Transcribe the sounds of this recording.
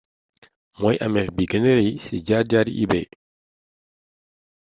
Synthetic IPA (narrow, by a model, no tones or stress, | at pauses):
mɔjʔɐmɛfbiɡənəɾejsiɟaːɟaːɾḭʔḭbɛj